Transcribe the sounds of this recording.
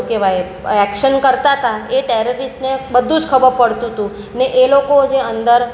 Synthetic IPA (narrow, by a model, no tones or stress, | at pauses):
keʋaj | ɛkʃənkəɾt̪at̪aeʈeɾəɾisʈnebəd̪ʱũd͡ʒkʰəbəɾpəɽt̪ũt̪ũ | neʔelokod͡ʒeənd̪əɾ